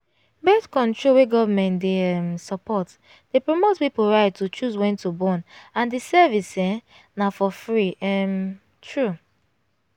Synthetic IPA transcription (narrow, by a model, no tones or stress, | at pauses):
bɛtkɔ̃ntɹolweɡɔvamɛ̃ntdeɛmsɔpɔt | d̥epɹomotpipoɹaɪd̚tut͡ʃuswɛ̃ntubɔ̃nãndisɛvisɛ̃ | nafɔfɹiɛm | tʰɹu